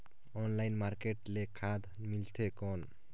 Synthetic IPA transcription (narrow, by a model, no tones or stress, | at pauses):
ɔnlajnmaɾkeʈlekʰad̪ | milt̪ʰekɔn